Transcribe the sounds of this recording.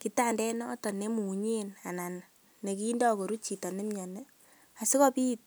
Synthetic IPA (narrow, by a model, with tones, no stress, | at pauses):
ki˨ta˦˨ndɛ˦nɔ˦tɔ˨ne˦mu˨ɲe˦na˨na˨n | ne˨kiː˦ndɔ˦ko˨ɾu˦t͡ʃi˨tɔ˨ne˦mi˦ɔ˨ne˦ | a˨si˦kɔ˦pi˦t̚